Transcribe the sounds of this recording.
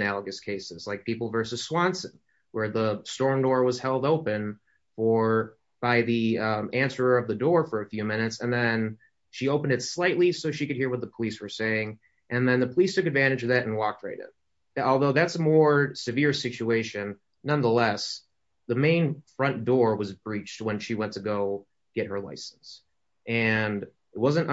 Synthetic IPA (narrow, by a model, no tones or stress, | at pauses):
nælˠəɡɨskʰeɪsɨz̥laɪk̚pʰipl̩ˠvɜ˞sɨz̥swɑ̃nsɨ̃n | wə˞ðəstɔɹmdɔɹwʌz̥hɛlˠdoʊpɨ̃n | fə˞ | b̥aɪðiʌ̃mæ̃nsə˞ə˞ʌvðɨdɔɹfə˞ɨfjʉmɪ̃ñɨtsɨ̃nðɨ̃n | ʃioʊpn̩dɨtslaɪʔˡlisoʊʃikɨd̚hiɹwʌt̪̚ðəpʰəliswə˞seɪɪ̃ŋ | ʔɨ̃nðɨ̃nðɨpʰəlistʰʊkɨdvæ̃ɾ̃ɨd͡ʒʌvðɨɾɨ̃n̩wɔk̚t̚ɹḛɪɾɨ̰̃m | ɔlˠðoʊðætsəmɔɹsɨvɪɹsɪt͡ʃʉeɪʃɨ̃nː | ʌ̃nðəlɛs | ðəmẽɪ̃nfɹʌ̃nd̥ɔɹwʌzbɹit͡ʃt̚wə̃nʃiwɛ̃ntʰɨɡoʊ | ɡ̥ɛt̚hə˞la̰ɪsn̩s | ʔɨ̃n | ɪt̚wʌzɨ̃nt